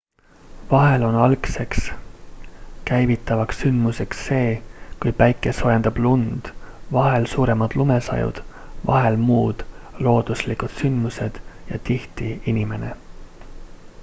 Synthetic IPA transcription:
vɑɦe̞lo̞nɑlkse̞ks | kæjvit̪ːˑɑvɑksːynd̪̥muse̞ksːe̞ːkujpæjkːˑe̞so̞jend̪̥ɑb̥lund̪̥vɑɦe̞lsuːɾe̞mɑd̪̥lume̞sɑ̰jṵd̪̥ | vɑ̰ɦe̞lmuːd̪̥lo̞ːd̪̥uslikˑud̪̥synd̪muse̞d̪̥jɑt̪iht̪iinime̞nḛ

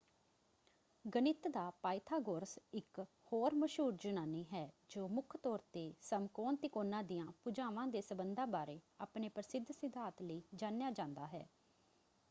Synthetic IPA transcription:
ɡənɪt̪d̪aːpaːɪt̪ʰaːɡoɾsɪk | hoːɾməʃɦuːɾd͡ʒʊnaːniːɦɛː | d͡ʒoːmʊkʰt̪ɔːɾt̪eːsəmkoːnt̪ɪkoːnãːd̪ɪjãːpʊd͡ʒaːʋãːd̪eːsəbənd̪aːbaːɾeːaːpneːpɾəsɪd̪ʱsɪd̪ʱaːt̪ləiːd͡ʒãːnjaːd͡ʒãːnd̪aːɦɛ̰ː

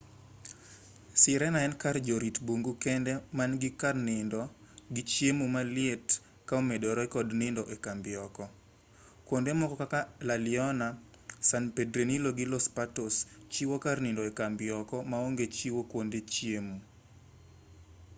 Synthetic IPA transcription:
sɪɾɛnaɛnkard͡ʒoɾitboŋɡukɛndɛmanɡɪkarnɪndɔ | ɡɪt͡ʃjemumalɪet | kaomedɔɾɔɛkɔdnɪndɔʔɛkambɪɔkɔ | kwondemɔkɔkakalalɪɔna | sanpedɾeniloɡɪlɔspatɔst͡ʃiwokarnɪndɔɛkambɪɔkɔmaoŋɡet͡ʃiwokwondet͡ʃjemu

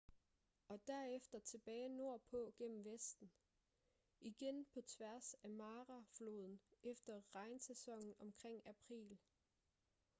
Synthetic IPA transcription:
ɒ̽d̥æɐ̰efd̥ɐt͡sʰe̝b̥ɛːɪno̝ɐ̰pʰɔ̽ɡ̥en̰m̩ʋesd̥n̩ | iɡ̥enpʰɒ̽t͡sʰʋæɐsæmɑ̈ːʁɑflo̝ːð̞ˠn̩efd̥ɐʁɑ̈ɪnsesɒ̽ŋ̰n̩ɒ̽mkʰʁeŋ̰æpʰʁḭːl

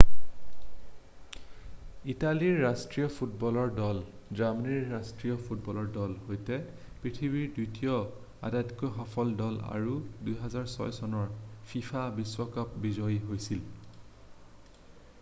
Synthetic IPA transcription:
italiɹːastɹijɔpʰut̚bɔlɔɹdɔlzamniɹːastɹijɔpʰut̚bɔlɔɹdɔlhojtɛ | pɹitʰibiɹdutijɔ | a̰datkɔɦɔpʰɔldɔla̰ɹudujɦazaɹsɔ̰jsɔnɔɹpʰifʰabiswɔkap̚bizɔjɦojsil

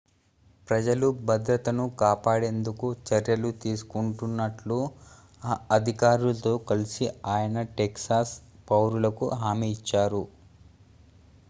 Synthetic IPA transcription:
pɾɐd͡ʒɐlubɐd̪ɾɐt̪ɐnukaːpaːɽe̞ːnd̪ukut͡ʃɐɾjɐlut̪iːsu̥kuɳʈunːɐʈlu | ɐd̪ʱikaːɾulɐt̪o̞ːkɐlisiaːjɐnɐʈeksaːspɐwɾulɐkṵɦaːmiːt͡ʃːaːɾu

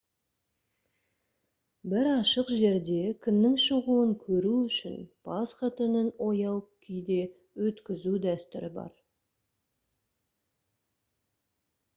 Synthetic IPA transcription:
bɪɾɑʃəqʒe̞ɾd̪e̞kʲʰʏnːɪŋʃəʁuəŋkʲʰɵɾuʏʃɪ̰nb̥ʰɑsqɑt̪ʰʏnɪno̞jɑwkʲʰijd̪e̞ | wɵt̪kʲɪzud̪æst̪ʏ̰ɾɪbɑ̰ɾ

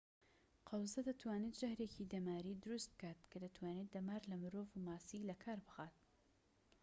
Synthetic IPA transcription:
qʰɑwzɐd̪ɐt̪ʰwaːnet̪ʒ̥ɐhɾecʰid̪ɐmaːɾid̪ʊɾust̪̚b̥̚kʰaːt̪kʰɐd̪ɐt̪ʰwaːneːt̪̚d̪ɐmaːɾlɐmɨɾoːvumaːsilɐkʰaːɾbɨxaːt̪̚

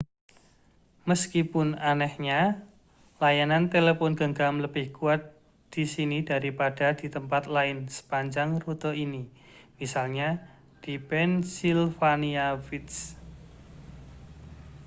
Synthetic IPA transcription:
məskipʊnanɛhɲa | lajanant̪elefɔnɡəŋɡamləbɪhkuat̪̚ | d̪̥isinid̥aɾipad̥ad̥i̤t̪əmpat̪laɪnsə̥paɲd͡ʒaŋrut̪ɔini | misalɲa | d̥ipɛnsilfaniafit̪̚s

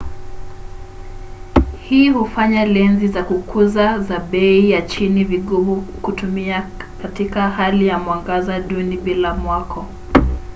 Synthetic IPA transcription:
hiːhufaɲalɛnzizakukʰuzazaɓɛijat͡ʃiniviɠuvukutumiakatikahalijamwaŋɡazaɗuniɓilamwakʰɔ

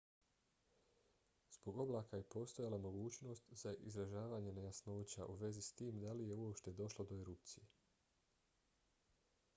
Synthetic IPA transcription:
z̥boɡo̞blˠaːkaje̞po̞ːst̪o̞jalˠamo̞ɡuːt͡ɕno̞ːst̪z̥aʔizɾaʒaːʋaːɲe̞nejasno̞ːt͡ɕa̰ʔuʋe̞zist̪iːmd̪alije̞uo̞pʃt̪e̞d̪o̞ʃlˠod̪o̞eɾup̚t̪sije

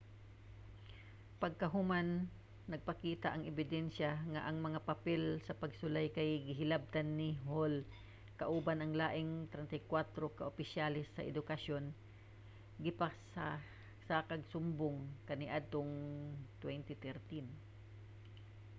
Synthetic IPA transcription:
pɐɡ̚kɐɦʊmanː | ɐɡ̚pɐkiːt̪aʔɐŋɛbɪd̪ɛnʃaŋaʔɐŋmɐŋapɐpɛlsɐpɐɡsʊlajkɐjɡɪɦɪlab̚t̪anːɪɦol | kɐʔuːbanɐŋlaːʔɪŋt̪ɾɛnt̪ajkwat̪ɾokaʔopɪʃjalɪsːɐ̰ʔɛd̪ʊkɐʃon | ɡɪpasa | sakɐɡsʊmbʊŋkɐnɪʔad̪̚t̪oŋt̪wɛnt̪ɪt̪ɛɾt̪in

